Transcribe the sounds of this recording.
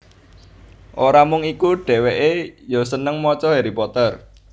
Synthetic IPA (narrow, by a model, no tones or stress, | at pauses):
ʔoɾamʊŋikuɖ̥ɛ̤weʔejosənəŋmɔt͡ʃɔɦeɾipɔt̪ər